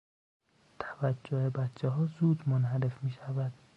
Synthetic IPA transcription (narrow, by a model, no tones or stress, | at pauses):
t̪ʰæ̥væd͡ʒːohebæt̪t͡ʃʰːeɦɒːzuːd̪monɦæɾefmiːʃævæd̪̥